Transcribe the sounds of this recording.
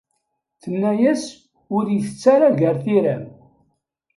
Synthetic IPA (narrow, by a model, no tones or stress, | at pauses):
θənːæjæs | ʊɾjəθət͡sːaɾaʝəɾθiɾæm